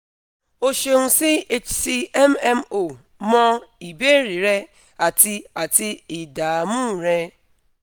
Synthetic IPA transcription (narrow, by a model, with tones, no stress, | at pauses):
o˨ʃe˨ŋ̩˨sɪ˦e˦t͡ʃsi˦ɛ˦mɛ˦m˦o˨ | mɔ˦i˨be˦ɾi˨ɾe˦ | a˨ti˦a˨tɪ˦ɪ˨da˨mũ˦˨ɾe˦